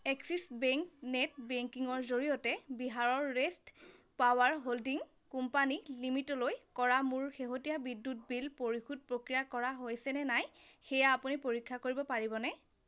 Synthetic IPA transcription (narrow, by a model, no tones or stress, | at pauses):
ɛksisbɛŋknɛt̚bɛŋkiŋɔɹzoɹijɔtɛbiɦaɹɔɹːest | pawaɹɦoldiŋ | kumpanilimitɔlojkɔɹamuɹxeɦotijabidːut̚bilpoɹixud̚pɹokɹijakɔɹaɦojsɛnɛnajxɛjaːpunipoɹikʰːakoɹibɔpaɹibɔnɛ